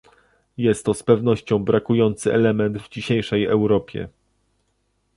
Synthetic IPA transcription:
jɛst̪ːɔspɛvnɔɕt͡ɕɔ̃w̃bɾakujɔnt̪sɘɛlɛmɛnd̪vd͡ʑiɕejʂɛjɛwɾɔpʲjɛ̰

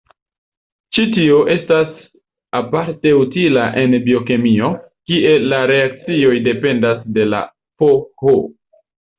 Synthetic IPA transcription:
t͡ʃitioʔe̞stas | apaɾte̞utilaʔe̞nbio̞kemio̞ | kiʔe̞laɾe̞ak̚t͡sio̞jde̞pe̞ndasde̞la̰ | poho

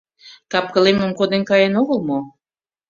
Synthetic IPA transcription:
kɑp̚kə̆leməmkod̪enkɑjenoɣəlmo

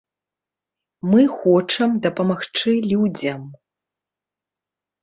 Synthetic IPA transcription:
mɨxɔt͡ʂɐmd̪ɐpɐmaxt͡ʂɨlʲud͡zʲɐm

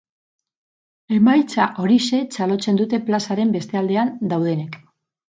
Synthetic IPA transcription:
e̞majt͡saʔo̞ɾise̞t͡salo̞t͡se̞nd̪ut̪e̞plasaɾe̞mbe̞st̪e̞ald̪e̞and̪awð̞e̞ne̞k

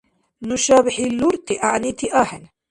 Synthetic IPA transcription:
nʊʃaːbɪħilːʊɾt̪iʔaʕnit̪iʔaːħɪn

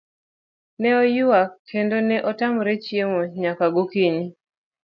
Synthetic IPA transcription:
nɛɔjʊwakʰːendonɛʔɔtamɾɛt͡ʃjemoɲakaɡokiɲi

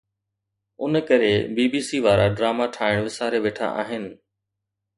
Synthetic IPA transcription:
ʊnkɐɾebiːbiːsiʋaːɾaɖɾaːmaʈʰaːɪɽ̃ʋɪsaːɾeʋeːʈʰa̰ʔa̰ːɦɪnɪ̆

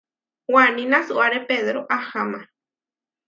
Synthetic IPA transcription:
waninasuaɾepeðɾoʔahama

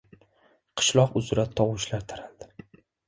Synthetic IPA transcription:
qʰɨ̥ʃlˠɒqʊzʊɾat̪ʰɒwʊʃlaɾt̪ʰaɾald̪̥ɪ

